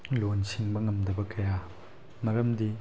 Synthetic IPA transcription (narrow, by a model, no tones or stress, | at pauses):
lonsiŋbɐŋɐmdɐbɐkɐja | mɐɾɐmdi